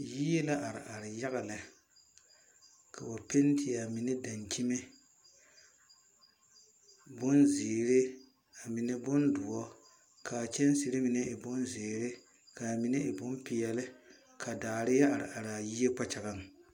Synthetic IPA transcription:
ji˦je˦la˦ʔa˨ɾɪ̰˨ʔa˨ɾɪ˨ja˦ɣa˨lɪ˨ | kʰa˨bo˨pe˦n˦tʰɪ˨ja˨mɪ˨nɪ˦da˨nki˦me˦ | bʊ˦nzeː˨ɾɪ˦ | a˨mi˨nɪ˦bʊ˦ndʊ˨ɔ˦ | kʰa˨t͡ʃɛ˦n˦sɪ˨ɾɪ˦mi˨ne˦ʔɪ˨bʊ˦nzeː˨ɾɪ˦ | ka˨mi˨ne˦ʔɪ˨bʊ˦mpɪ˨jɛ˨lɪ˦ | kʰa˨daː˨ɾɪ˦ja˦a˨ɾɪ̰˨ʔa˨ɾa˨ji˦e˦k͡pa˦t͡ʃa˨ɣa˦ŋ˨

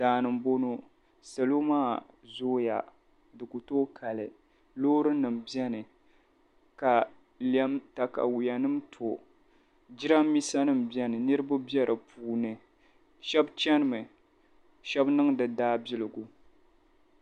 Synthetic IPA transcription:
daː˨nɨ˨mbo˦no˦ | sa˨lo˦maː˦ | zoː˦ja̰˨ | dɨ˨ku˨toː˦kʰa˨lɨ˨ | loː˦ɾɨ˦nɨ˨mbi˦ɛ˦nɨ˨ | ka˨ | lɛ˦mta˨ka̰˨wu˨ja˨nɨ˦mtʰo˨ | d͡ʒi˦ɾa˦mːi˦sa˦nɨ˦mbjɛ˦nɨ˨nɨ˦ɾɨ˦ba˦bjɛ˦ɾʔɨ˨pʰuː˨nɨ˨ | ʃɛ˦bt͡ʃɛ˦nɨ˦mɨ˨ | ʃɛ˦bnɨ˦ŋdɨ˨daː˦bɪ˦lɨ˨ɡu˨

